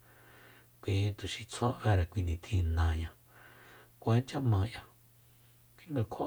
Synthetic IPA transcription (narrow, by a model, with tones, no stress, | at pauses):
kʷi˧t̪u˨ʃi˧t͡sʰo˦βe˦˧ɾa˨kʷi˧nĩ˨t̪ʰĩ˧nã˧˨ɲã˧ | kʷe˦nt͡ʃa˦mã˧jã˧ | kʷi˧ŋɡã˧kʰo˧˨